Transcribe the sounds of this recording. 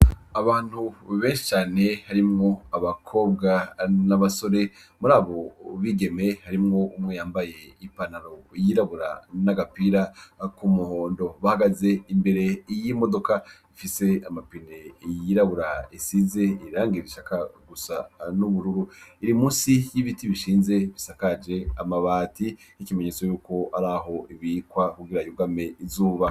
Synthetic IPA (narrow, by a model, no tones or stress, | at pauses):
aβaːn̥huβe̞ːnʃi̥t͡ʃaːne̞haɾimŋo̞aβakʰo̞ːbɡanaβaso̞ɾe̞ | muɾaːβo̞βiɡe̞me̞haɾimŋo̞umŋe̞jaːmbaje̞ipanaɾo̞jiɾaβuɾa̰naɡapiɾakumuhoːndo̞βahaɡaze̞imbe̞ɾe̞jimo̞do̞ka | ifise̞amapine̞jiɾaβuɾaisize̞iiɾaːŋɡiiβiʃakaɡusanuβuɾuɾuiɾimũːsijiβitiβiʃiːnze̞βisakad͡ʒe̞amaβaːti | nikimeɲet͡so̞juːko̞aɾaɦo̞iβikwakuɡiɾajuɡame̞izuːβa